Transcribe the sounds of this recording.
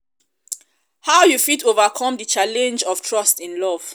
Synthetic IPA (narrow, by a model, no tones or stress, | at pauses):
haʊjufitovakʰɔ̃mdət͡ʃalɛ̃nd͡ʒɔv̥tʰɹɔstĩnlɔv̥